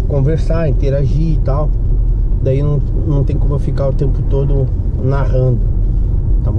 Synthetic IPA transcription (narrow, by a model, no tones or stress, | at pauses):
kõveɾsaɾĩt̪eɾaʒit̪aw | d̪ainɐ̃w̃nɐ̃w̃t̪ẽj̃komʊfikaɾʊt̪ẽmpʊt̪od̪ʊ | naɦɐ̃nd̪ʊ | t̪am